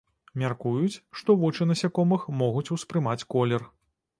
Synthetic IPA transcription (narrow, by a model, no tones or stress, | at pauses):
mʲarkujut͡sʲʂt̪ɔvɔt͡ʂɨnɐsʲakɔmɨxmɔɣut͡sʲuspɾɨmat͡sʲkɔlʲɛr